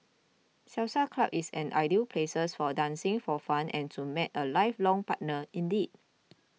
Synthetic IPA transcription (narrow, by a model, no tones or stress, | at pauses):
sɛwsakʰlabisɛ̃nʔa̰ɪdipʰlesəsfɔdãnsĩŋfɔfãnʔɛ̃ntʰumɛtəlaɪflɔ̃ŋpat̚nəĩndid̚